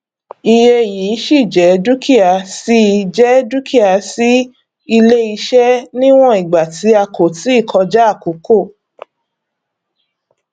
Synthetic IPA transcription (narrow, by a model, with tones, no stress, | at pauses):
i˧je˧˨jiː˨˦ʃi˦˨d͡ʒɛ˨˦du˦kʰi˦a˧si˦˧d͡ʒɛ˦du˦kʰi˦a˧˨si˦ | i˧le˦i˧ʃɛ˦nĩ˦w̃ɔ̃˦i˨ɡ͡ba˨ti˨˦a˧ko˨ti˨˦i˦˨kʰɔ˧d͡ʒɛ˦a˦˨ko˨˦ko˦˨